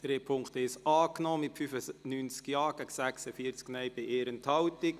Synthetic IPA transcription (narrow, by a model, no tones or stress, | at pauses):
d̥̪ɾeːpʰʊŋkt̪ɛɪʃɑːknɔːmɪtfyfənyːnt͡skjɑːɡ̥ɛksæksəfiəɾt͡sknɛjbɪʔeːɾənt̪hɑwt̪ɪk